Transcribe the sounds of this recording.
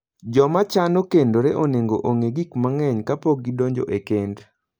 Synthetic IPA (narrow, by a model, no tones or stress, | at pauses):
d͡ʒɔmat͡ʃanokendoɾeʔoneŋɡo̰ʔoŋeɡikmaŋɛɲkapoɡ̚ɡːidoɲd͡ʒo̰ʔekend